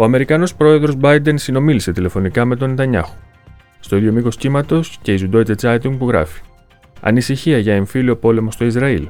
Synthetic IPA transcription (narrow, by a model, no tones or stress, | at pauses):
o̞ɐme̞ɾikɐno̞spɾo̞e̞ðɾo̞zbɐjd̪e̞nsino̞milise̞t̪ile̞fo̞nikɐme̞t̪o̞nit̪ɐɲɐ̰xo̥ | st̪o̞iðjo̞miko̞scimɐt̪o̞sce̞izud̪o̞it̪et͡sɐt̪iŋpuɣɾɐ̰fi̥ | ɐ̰nisiçiɐʝɐeɱfilio̞po̞le̞mo̞st̪o̞izɾɐil